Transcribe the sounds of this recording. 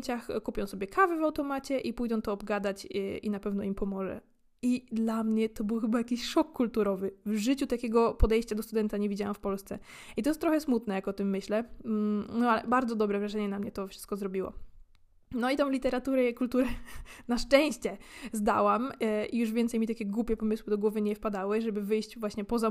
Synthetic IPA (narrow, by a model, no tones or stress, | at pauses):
t͡ɕaxkupʲjɔ̃w̃sɔbʲjɛkʰavɛvawt̪ɔmat͡ɕɛʔipujd̪ɔ̃w̃t̪ɔːbɡad̪at͡ɕʔḭnapɛvnɔimpɔmɔʐɛ̰ | id̪lamɲɛt̪ɔbɘwxɘbajakʲiɕʂɔkːult̪uɾɔvɘvʐɘt͡ɕut̪akʲɛɡɔpɔd̪ɛjɕt͡ɕad̪ɔst̪ud̪ɛnt̪aɲɛvʲid͡ʑawamfpɔlst̪sɛ | it̪ɔjst̪ːɾɔxɛsmut̪nɛjakɔt̪ɘmːɘɕlɛ | nɔalɛ̰baɾd̪zɔd̪ɔbɾɛvɾaʐɛɲɛnamɲɛt̪ɔfʂɘ̥st̪̚kɔzɾɔbʲiwɔ̰ | nɔit̪ɔ̃w̃lʲit̪ɛɾat̪uɾɛkult̪uɾɛnaʂt͡ʂɛ̃w̃ɕt͡ɕɛzd̪awamʔijuʐvʲjɛnt̪ɛjmit̪akʲɛɡwupʲjɛpɔmɘswɘd̪ɔɡwɔvɘɲɛfpad̪awɘʐɛbɘvɘjɕt͡ɕvwaɕɲɛpɔza